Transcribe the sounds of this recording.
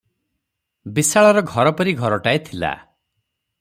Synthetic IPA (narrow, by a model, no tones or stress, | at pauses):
bisaɭɔɾɔɡʱɔɾɔpɔɾiɡʱɔɾɔʈaet̪ʰila̰